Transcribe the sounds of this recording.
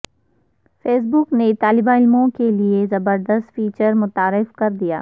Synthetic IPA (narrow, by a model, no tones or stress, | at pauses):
feːs̬bʊknet̪aːlɪbaɪlmõkeliezɐbəɾd̪əst̪fiːt͡ʃəɾmʊt̪aːɾɪfkɐɾd̪ija̰ː